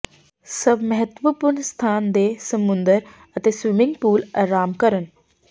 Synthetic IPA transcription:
səbməɦət̪ʋəpʊɾɳst̪ʰaːnd̪eːsəmʊnd̪əɾ | ət̪eːsʋɪmɪ̃ŋɡpuːlaːɾaːmkəɾən

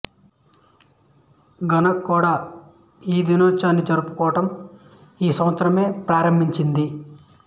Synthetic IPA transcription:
ɡɐnɐkːuːɽaː | iːd̪inɔːt͡ʃaːnːid͡ʒɐɾupu̥kɔːɐʈɐm | iːsɐmɐt̪sɐɾɐme̞ːpɾaːɾɐmbʱiɲt͡ʃind̪i

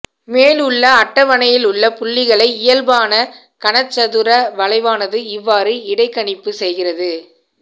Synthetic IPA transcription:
meːlʊɭːɐɐʈːɐʋɐɳɐjɪlʊɭːɐpʊɭːɪɣɐɭɐɪɪjɐlbaːnɐ | kɐɳɐt͡ʃːɐðɯɾɐʋɐlɐɪʋaːnɐðɯɪʋːaːɾɯɪɽɐɪkːɐɳɪpːɯsɛjɣɪrɐðɯ

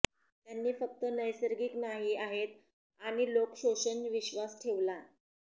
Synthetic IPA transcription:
t̪janːiːfək̚t̪ənəjsəɾɡiːknaɦiaɦet̪ | aɽ̃ilokɕoɕənʋiɕʋasʈʰeʋla

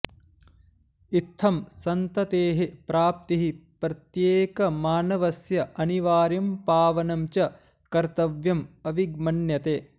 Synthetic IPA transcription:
it̪ʰːɐmsɐnt̪ɐt̪eːɦepɾaːp̚t̪iɦipɾɐt̪jeːkɐmaːnɐʋɐsjɐɐniʋaːɾjɐmpaːʋɐnɐmt͡ʃɐ | kɐɾt̪ɐʋjɐmɐʋiɡmɐnjɐt̪eː

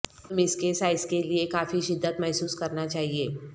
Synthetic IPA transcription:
ʊmɪskesaːɪskeliekaːfiʃɪd̪ːət̪mɛɦsuːskɐɾnat͡ʃaːɦieː

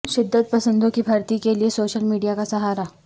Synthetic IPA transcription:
ʃɪd̪ːət̪̚pɐsə̃nd̪ʱõkibʱɐɾt̪ikeliesoːʃəlmiːɖijakasɐɦaːɾa

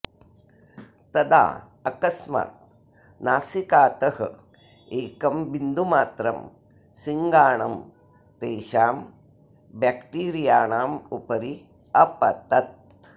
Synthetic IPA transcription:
t̪ɐd̪a̰ː | ɐkɐsma̰ːt̪̚ | naːsikaːt̪ɐhɐ̰ | eːkɐmbind̪ʱumaːt̪ɾɐm | siŋɡaːɳɐm | t̪eːʃaːm | bakʈiːɾijaːɳaːmupɐɾi | ɐpɐ̰t̪ɐt̪̚

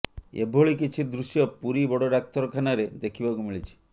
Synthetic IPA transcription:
ḛbʱoɭikit͡ʃʰiɾd̪ɾusjɔpuɾibɔɽɔɖak̚t̪ɔɾɔkʰanaɾed̪ekʰibakumiɭit͡ʃʰi̥

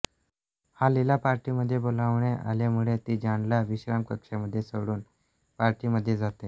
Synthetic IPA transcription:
halilapaɾʈiməd̪ʱːjebolaʋɳeʔa̰lemuɭet̪iːd͡ʑaɳljaʋiɕɾamkəkʂeməd̪ʱːjesəɽuːn | paɾʈiːməd̪ʱːjed͡zat̪e

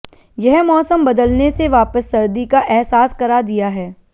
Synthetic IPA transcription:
jɛɦmɔːsəmbɐd̪əlneseʋaːpəsːɐɾd̪ikaʔɛɦsaːskɐɾad̪ijaɦɛː

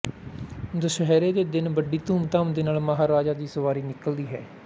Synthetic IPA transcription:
d̪əʃəɦɛːɾeːd̪eːd̪ɪnbəɖiːt̪uːmt̪aːmd̪eːnaːlməɦaːɾaːd͡ʒaːd̪iːsəʋaːɾiːnɪkəld̪iːɦɛː

